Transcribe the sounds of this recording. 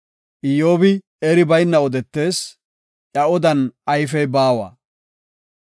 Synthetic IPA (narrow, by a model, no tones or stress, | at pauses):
ʔɪjo̞ːbɪ | ɛɾɪbɐjnːɐɔd̪ɛt̪ːe̞ːs | ʔɐɔd̪ɐnʔɐjf̬ɛjbaːwɐ̰ː